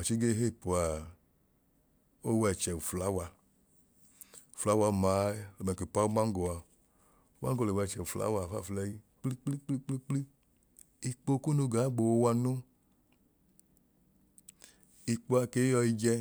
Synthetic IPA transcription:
a˨t͡ʃi˦ɡe˦ɦe˦˨pu˨a˨ | o˦wɛ˨t͡ʃɛ˨wu˨fla˨˦wa˧ | u˨fla˨˦wa˧˨ma˨˦lo˨ɛ˨ke˨pa˦u˦ma˦ŋ˦ɡo˨a˨ | o˦ma˦ŋ˦ɡo˧le˨wɛ˧˨t͡ʃɛ˨u˨fla̰˦wa˧˨fa̰˦˨flɛ˧ji˦k͡pli˦k͡pli˦k͡pli˦k͡pli˦k͡pli˦ | i˧k͡po˧˦ku˦nu˧ɡa˨˦ɡ͡bo˨wo˧˦wa˧nu˦ | i˧k͡po˧a˧ke˨˦jɔ˧i˧d͡ʒɛ˧

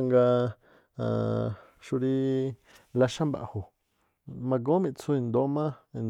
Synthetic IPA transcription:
ŋɡa˧ | ã̰˧ | ʃu˧ɾi˧ | la˧ʃã˦mba̰˨ʔho˨ | mã˧ɡo˦mĩ˧t͡sʰũ˧i˧nd̪o˨˦mã˦˧n

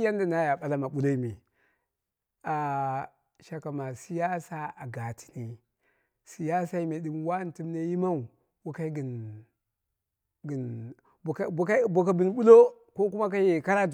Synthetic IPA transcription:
ja˦nda˨na˦ja˨ɓa˨la˦ma˨ɓu˦lo˦i˦mi˨ | a˨ | ʃa˨ka˨ma˨si˦ja˦sa˦a˨ɡa˨tʰi̥˨ni˨ | si˨ja˦sa˦i˦me˨ɗi˦mwa˦n˨ti˦m˦na˦ji˦ma˦u˨ | wa˦ka˦ɡi˨n | ɡn˨˦˨ | ka˦bo˨ka˨bi˨n˦ɓu˦lo˦ | ko˦ku˦ma˦k̬a˦je˦˨ka˦ɾa˦

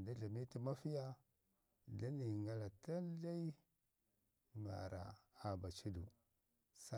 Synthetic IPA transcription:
da˦ɮa˨mi˦ti˦ma˦fi˦ja˦ | da˦ni˨ŋɡa˦la˨ta˦n˦ɬa˦i˦ | ŋa̰˨ɾa̰˨a˨ba˨t͡ʃi˦du˨ | sa˦

